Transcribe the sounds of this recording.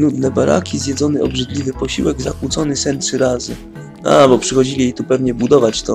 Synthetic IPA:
nud̪nɛbaɾa̰kʲizʲjɛd̪zɔnɘɔ̰bʐɘd̪lʲivɘpɔɕiwɛɡzakwut̪sɔnɘsɛntʂɘɾazɘ | a̰bɔpʂɘxɔd͡ʑilʲijejt̪upɛvɲɛbud̪ɔvat͡ɕt̪ɔ

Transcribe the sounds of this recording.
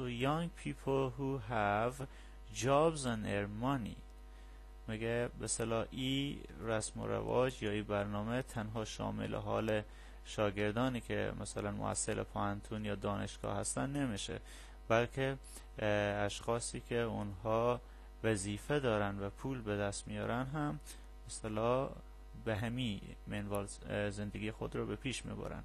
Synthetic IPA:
ojɒŋɡpʰiːpʰoɦuɦæv | d͡ʒɒːbzæneɾmɒnḭː | miɡebeselɒːʔiːɾæsmo̰ɾæ̰vɒ̰ːd͡ʒjɒːiːbæɾnɒːmet̪ʰænɦɒːʃɒ̰ːmḛlḛɦɒ̰ːle | ʃɒːɡe̞ɾd̪ɒːniːkʰḛmʔæsælænmo̰æ̰sːelʔḛpʰohænt̪ʰuːnjɒːd̪ɒːneʃɡ̥ɒ̰ːhæst̪ænːemiʃḛ | b̥ælkʰe | æʃxɒːsiːkʲʰeʊnɦɒː | væziːfed̪ɒːɾænd̪væpʰuːlbed̪æst̪mijɒ̰ːɾænɦæmː | esælɒː | beɦæmiː | menvɒːl | zend̪eɡiːxod̪ɾɒːbepʰiːʃmḭbɒ̰ːɾæ̰n

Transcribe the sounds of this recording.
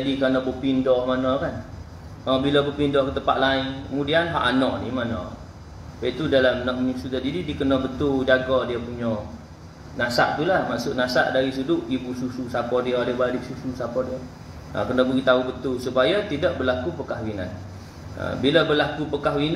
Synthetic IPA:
d͡ʒadikɾanabəpindɔhmanakan | ʔɔbilabəpindɔhkət̪əmpa̰ʔlainkəmudianɦa̰ʔanɔʔnimana̰ | bait̪udalamnɔʔmusut̪adididikənɔbət̪uld͡ʒaɡɔdiəpuɲɔ | nasa̰ʔt̪ulahma̰ʔsʊʔnasa̰ʔdaɾis̬udʊʔibusususapɔdiədiəbadisususapɔdiə | ʔə̰kənɔbəɡit̪aubət̪ʊlsupajat̪idaʔ̚bərlakupəkaɦwina̰n | ə̰bilabərlakupəkaɦwin

